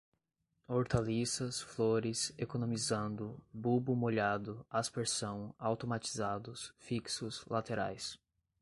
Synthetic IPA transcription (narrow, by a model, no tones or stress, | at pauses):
oɾt̪alisɐsfloɾɪsekonõmizɐ̃nd̪ʊbubʊmoʎad̪ʊaspeɾsɐ̃w̃awt̪omat͡ʃi̥zad̪ʊsfiksʊslat̪eɾa̰js